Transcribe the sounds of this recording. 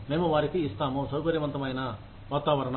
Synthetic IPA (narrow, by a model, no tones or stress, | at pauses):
meːmuʋaːɾik̪iːst̪aːmosɐwkɐɾjɐʋɐnt̪ɐmɐjɐnɐ | ʋaːt̪aːʋɐɾɐɳ